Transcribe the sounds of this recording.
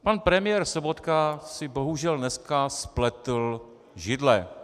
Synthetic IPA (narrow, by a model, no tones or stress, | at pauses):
panpɾɛmɪjɛɾsobot̪kasɪbo̞ɦuʒɛlnɛskasplɛt̪l | ʒɪdlɛ